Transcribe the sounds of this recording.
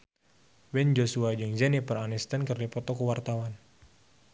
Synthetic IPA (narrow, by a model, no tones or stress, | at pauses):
wɛnd͡ʒosuad͡ʒəŋzɛnipəranist̪ənkɨrdipɔt̪ɔkuwart̪awan